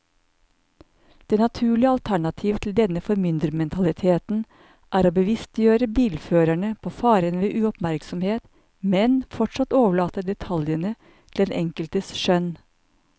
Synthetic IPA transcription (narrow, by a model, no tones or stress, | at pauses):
d̪̥eːnɑt̪ʰʉːɭɪəɑlt̪ʰæɳɑt̪ʰiːʋt̪ʰl̩d̪ɛnəfɔɾmʏnd̪ɾəmɛnt̪ʰɑlɪt̪ʰeːt̪n̩ | ʔæːɾoːbəʋɪst̪jøːɾəbiːlføːɾæɳəpʰoːfɑːɾənʋeːʔʉːɔpmæɾksɔmheːt̪ | mɛnfɔʈʂɑt̪oːʋəɭɑːt̪əd̪ɛt̪ʰɑljənə | t̪ʰɪleːnʔɛŋkəlt̪əsʃœn